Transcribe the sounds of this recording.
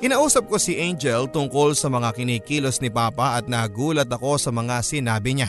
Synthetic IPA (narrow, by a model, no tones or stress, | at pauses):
kɪnɐːʔuːsɐp̚ko̞siʔejnd͡ʒɛlt̪ʊŋko̞lsɐmɐŋakɪniːkiːlo̞snɪpaːpɐʔɐt̪̚nɐɡuːlɐt̪ɐko̞sɐmɐŋasɪnaːbɪɲa